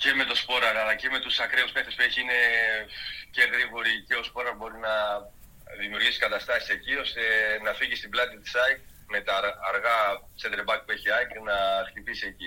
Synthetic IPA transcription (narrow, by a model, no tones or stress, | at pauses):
ce̞me̞t̪o̞spo̞ɾɐɾɐlɐce̞me̞t̪usɐkɾeusme̞xt̪espeçiine̞ | ce̞ɣɾiɣoɾiceospo̞ɾɐɾbo̞ɾinɐ | ðimiuɾʝisi̥kɐt̪ɐst̪ɐsise̞cio̞st̪e̞nɐfiʝist̪iblɐt̪it̪i̥sɐjk | me̞t̪ɐːɾɣɐsend̪eɾbɐk̚pueçiɐjknɐxt̪ipisieci